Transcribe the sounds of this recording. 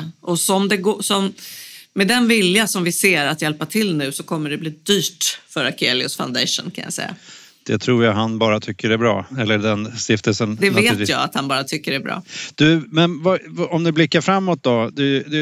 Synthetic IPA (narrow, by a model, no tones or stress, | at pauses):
ʔɔsɔmd̪ɛɡoːsɔmmɛd̪ɛnvɪljasɔmvɪseːɾat̪jɛlpat̪ʰɪlnʉ̟ːsɔkʰɔmːəɖɛbliːd̪yːʈfœɾakʰeːlɪʊsfa̰ʊnd̪ɛ̰ʂʊ̰nkʰa̰nja̰sɛ̰jːa̰ | d̪̥ɛt̪ʰɾuːɾjaɦanbɑːɾat̪ʰʏkːəɖɛbɾɑ̰ːɛlːəɖɛnst̪ɪft̪əlsənd̪ɛveːt̪jɑ̰ːa̰t̪hanbɑːɾat̪ʰʏkːəɖɛbɾɑ̰ːd̪̥ɵmɛnvaɔmnɪblɪkːaɾfɾamːɔt̪̚d̪ɔd̪ɛd̪ɛ